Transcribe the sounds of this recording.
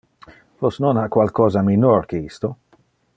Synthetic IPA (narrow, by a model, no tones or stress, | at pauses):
vosnonhakwalkɔːzaminorkeist̪o